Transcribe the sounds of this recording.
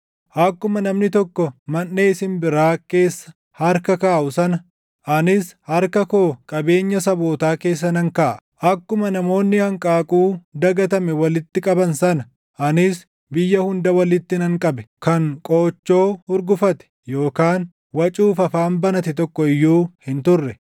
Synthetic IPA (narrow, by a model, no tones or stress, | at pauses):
ʔɐkːʊmɐnɐmnɪt̪ɔkːɔmɐnːeːɪsɪnbɪɾaːke̞ːsːɐ̥ | hɐɾkɐkaːʔʊsɐnɐ | ʔɐnɪshɐɾkɐkoːkʼɐbe̞ːɲːɐsɐbo̞ːt̪aːke̞ːs̬ːɐnɐŋkaːʔʔɐkːʊmɐnɐmo̞ːnːɪhɐŋkʼaːkʼuːd̪ɐɡɐt̪ɐmɛwɐlɪt̪ːɪkʼɐbɐnsɐnɐ | ʔɐnɪs | bɪjːɐhʊnd̪ɐwɐlɪt̪ːɪnɐŋkʼɐbɛ̥kɐŋkʼoːt͡ʃːo̞ːʊɾɡʊfɐt̪ɛ̥ | jo̞ːkaːn | wɐt͡ʃʼuːfɐfaːmbɐnɐt̪ɛt̪ɔkːɔɪjːuːhɪnt̪ʊrːɛ